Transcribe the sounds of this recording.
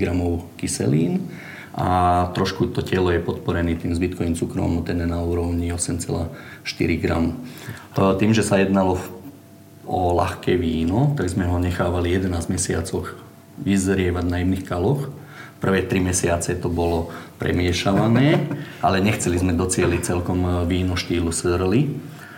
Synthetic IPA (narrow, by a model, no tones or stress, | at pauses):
ɡɾamɔʊkisɛ̰lḭːn | ʔa̰t̪ɾɔʃkut̪ɔcɛlɔjɛpɔt̪pɔɾɛniːt̪iːmzbit̪̚kɔʋiːnt͡sukɾɔ̰mɔt̪ɛnɛnauːɾɔʊɲiɔsɛmt͡sɛ̰laːʃt̪ḭɾiɡɾa̰m | t̪iːmʒɛsajɛd̪nalɔ | ɔla̰xkɛːʋiːnɔt̪aɡzmɛɦɔɲɛxaːʋalijɛd̪ɛnaːzmɛsɪat͡sɔx | ʋizɾɪɛʋaɟnajimnixkalɔx | pr̩ʋɛːt̪ɾimɛsɪat͡sɛt̪ɔbɔlɔpɾʔɛ̰mɪɛʃaʋanɛːalɛɲɛxt͡sɛlizmɛd̪ɔt͡sɪɛlic̚t͡sɛlkɔmʋiːnɔʃt̪iːlusr̩li